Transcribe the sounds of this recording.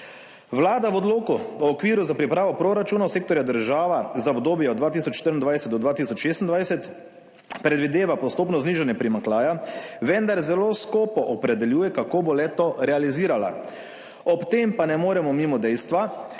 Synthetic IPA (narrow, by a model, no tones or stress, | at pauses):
ʋlaːd̪aʋɔd̪loːkuɔːkʋiːɾuzapɾipɾaːʋɔpɾoːɾat͡ʃuːnaseːkt̪ɔɾjad̪əɾʒaːʋazaɔbd̪oːbjɛɔd̪d̪ʋaːt̪isɔt͡ʃʃt̪əɾind̪ʋajsɛt̪d̪ɔd̪ʋaːt̪isɔt͡ʃʃeːst̪ind̪ʋajsɛt̪ | pɾɛd̪ʋid̪eːʋapɔst̪oːpnɔzniːʒanjɛpɾimaŋklaːjaʋɛnd̪aɾzɛloːskoːpɔʔɔpɾɛd̪ɛljuːjɛkakoːbolɛt̪oɾɛaliziːɾala̰ | ɔpt̪empanɛmoːɾɛmɔmimɔd̪ɛjst̪ʋa